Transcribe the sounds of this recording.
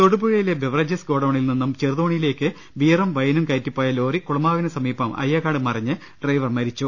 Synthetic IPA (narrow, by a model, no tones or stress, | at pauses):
t̪oɽubuɻɐjilebeʋrɐd͡ʑɐsɡo̞ːɽoːɳilninːumt͡ɕerðoːɳijile̞ːkːɨ | ʋiːrɐmʋɐjɐnumkɐjtːipːoːjɐlo̞ːrikuɭɐmaːʋinɨsɐmiːbɐmʔɐ̰jːɐkaːɽɨmɐrɐɲːɨ | ɖrɐjʋɐrmɐɾit͡ɕːu